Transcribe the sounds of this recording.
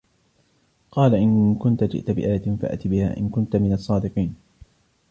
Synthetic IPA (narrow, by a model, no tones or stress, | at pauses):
qɑːlaʔɪnkʊnt̪ad͡ʒɪ̰ʔt̪abɪʔaːjat̪ɪnfaʔa̰ʔt̪ibɪha̰ːʔɪ̰nkʊnt̪amɪnɑsˤːɑːd̪ɪqiːn